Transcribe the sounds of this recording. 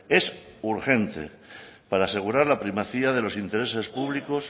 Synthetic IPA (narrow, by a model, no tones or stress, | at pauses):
e̞s | uɾxe̞nt̪e̞̰ | paɾaːse̞ɣ̞uɾaɾlapɾimaθiaðe̞lo̞sint̪e̞ɾe̞se̞spuβ̞liko̞s